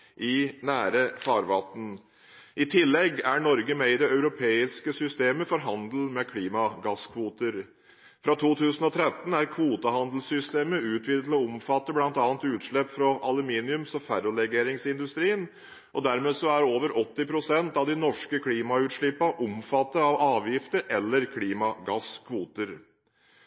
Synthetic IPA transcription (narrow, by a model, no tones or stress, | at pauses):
ʔɪnæːɾəfɑːɾʋɑ̰t̪ːn̩ | ʔɪt̪ʰɪlːɛɡæɳɔɾɡəmeɪd̪ɛœʉɾʊpʰeːɪskəsʏst̪eːməfɔɾɦɑnd̪l̩mɛkʰliːmɑɡɑskʰʋuːt̪əɾ | fɾɑt̪ʰuːt̪ʰʉːsən̩ɔt̪ʰɾɛt̪n̩æɾkʰʋuːt̪əhɑnd̪l̩sʏst̪eːməʉːt̪ʰʋiːd̪ət̪lɔʊmfɑt̪ːəblɑnt̪ɑːnt̪ʉːt̪ʂɭɛpfɾɔʔɑlʉmiːnɪʉmsɔfæɾʊlɛɡeːɾɪŋsɪnd̪ʉst̪ɾiːən | ʔɔd̪æɾmeːsɔæɾoːʋəɾʔɔt̪ːɪpʰɾʊsɛnt̪ɑʋd̪ɪnɔʂkəkʰliːmɑʉːt̪ʂɭɪpːɑʔʊmfɑt̪ːəɑʋɑːʋjɪft̪əɾʔɛlːəɾkʰliːmɑɡɑskʰʋuːt̪əɾ